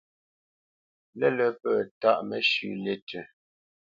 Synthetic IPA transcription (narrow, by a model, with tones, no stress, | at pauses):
lɛ˦lə˦pə˦˨ta˦˨ʔmə˨ʃʉ˨le˦tʰə˨